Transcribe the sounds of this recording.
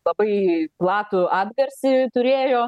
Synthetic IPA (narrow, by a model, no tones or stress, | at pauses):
lˠɐbɐɪplˠɑːt̪ʊʔɑːd̪ɡɐɾʲsʲɪt̪ʊɾʲeːjoː